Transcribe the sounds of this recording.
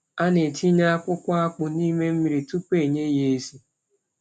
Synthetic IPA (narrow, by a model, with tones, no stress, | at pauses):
a˦ne˨ti˦ɲa˦a˦kʷʊ˦kʷa˦a˦k͡pʊ˨ni˦me˦m̩˦mi˨ɾi˨tu˦pe˦˨ɲe˦je˨e˦si˦